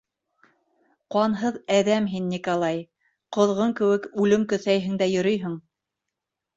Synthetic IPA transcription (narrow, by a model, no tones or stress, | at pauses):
qwɑnɦɤðæðæmɦinːʲikolˠɑj | qŏðʁɤŋkɘ̆wɘkʉlɘmkɵ̆θæjɦɘ̆ŋd̪æjɵ̆ɾɵjɦɤɴ